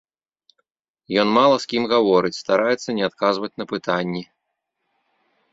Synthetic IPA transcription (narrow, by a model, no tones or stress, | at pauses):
jɔnmalˠɐskʲimɣavɔɾɨt͡sʲst̪aɾʔajɛt̪sːɐnʲɛat̪kazvɐt͡sʲnɐpɨt̪anʲːi